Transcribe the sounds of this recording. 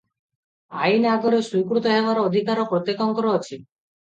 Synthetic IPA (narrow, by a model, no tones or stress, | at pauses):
ainaɡoɾesujkɾut̪ɔɦebaɾɔod̪ʱikaɾɔpɾot̪ːekɔŋkɔɾɔːt͡ʃʰi